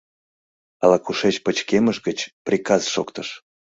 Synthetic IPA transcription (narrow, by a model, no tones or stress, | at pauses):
ɑlɑkuʃet͡ɕpət͡ɕkeməʃɣət͡ɕprʲikɑzʃokt̪əʃ